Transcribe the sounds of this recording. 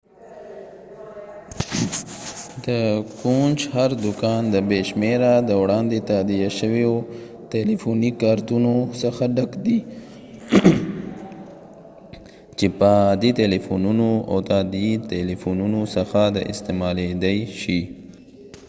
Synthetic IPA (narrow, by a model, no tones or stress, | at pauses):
d̪əkund͡ʒhaɾd̪ʊkɑnd̪əbeʃmeɾad̪əwɽɑnd̪et̪ad̪ijaʃəwejo | t̪elifunikɑɾt̪unosəxaɖakd̪i | t͡ʃepad̪it̪elefununoa̰wt̪ad̪it̪elifununosəxad̪əʔɪ̰st̪emɑled̪əjʃi